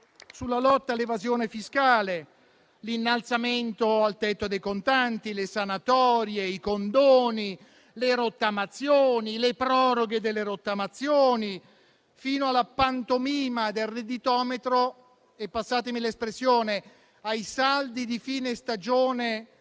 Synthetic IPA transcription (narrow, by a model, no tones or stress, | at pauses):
sulːalɔt̪ːalːevazjoːnefiskaːle | linːalt̪sament̪oalt̪ɛt̪ːod̪ejkont̪ant̪ilesanat̪ɔːɾjeikond̪oːni | leɾot̪ːamat̪sːjoːnilepɾɔːɾoɡed̪elːeɾot̪ːamat̪sːjoːni | fiːnoalapːant̪omiːmad̪elred̪it̪ɔːmet̪ɾo | epːasːaːt̪emilespɾesːjoːne | ajsald̪id̪ifiːnest̪ad͡ʒoːne